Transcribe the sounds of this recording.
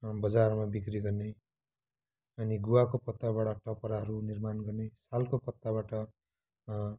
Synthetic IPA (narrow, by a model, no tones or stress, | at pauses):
bʌd͡zarmabikɾiɡʌrne | ʌniɡuwakopʌt̪ːabaɽaʈʌpʌɾaɦʌɾunirmanɡʌrnesalkopʌt̪ːabaʈʌ